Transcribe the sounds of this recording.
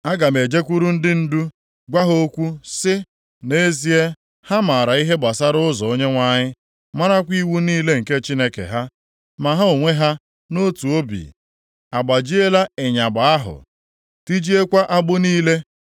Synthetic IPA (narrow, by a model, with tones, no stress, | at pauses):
a˦ɡa˨me˨d͡ʒe˦kʷu˦ɾu˦n̩˦dɪ˦n̩˦du˦ | ɡʷa˦ɦo˦kʷu˦sɪ˦ | ne˦zi˦e˦ | ha˦ma˨ɾa˨i˦ɦe˦ɡ͡ba˨sa˦ɾʊ˦ʊ˦zɔ˨o˦ɲe˦ŋʷa˦˨ɲɪ˦ | ma˦ɾa˦kʷi˦wu˦niː˦le˦ŋ̩˨ke˦t͡ʃi˦ne˦kḛ˨ɦa˦ | ma˨ɦa˦o˨ŋʷe˦ɦa˦ | no˦tu˨o˦bḭ˨ | a˨ɡ͡ba˨d͡ʒi˦e˦la˦e˨ɲa˨ɡ͡ba˨a˦ɦʊ̰˨ | ti˦d͡ʒi˦e˦kʷa˦ʔa˦ɡ͡bʊ˦niː˦le˦